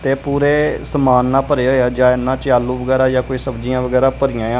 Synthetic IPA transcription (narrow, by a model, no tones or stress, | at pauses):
t̪eːpuːɾeːsəmaːnːãːpəɾeːaeaːd͡ʒãːɪnːãːt͡ʃaːlːuːʋəɡɛːɾaːjaːkoiːsəbd͡ʒiːãːʋəɡɛːɾaːpəɾijãːãː